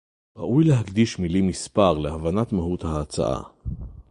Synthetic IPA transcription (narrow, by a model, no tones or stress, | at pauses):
ʁa̰ʔujleɦakd̪iʃmilimispaʁleavanat̪maɦut̪haːt͡sa̰ʔa̰